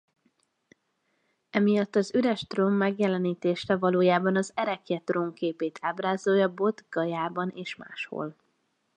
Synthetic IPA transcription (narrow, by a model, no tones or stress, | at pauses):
ɛmijɒt̪ːɒzyɾɛʃt̪romːɛɡjɛlɛniːt̪eːʃɛvɒloːjaːbɒnɒzɛɾɛkjɛt̪roŋkeːpeːt̪ʰaːbraːzoːjɒbo̞t̪ɡɒjaːbɒneːʃma̰ːʃho̰l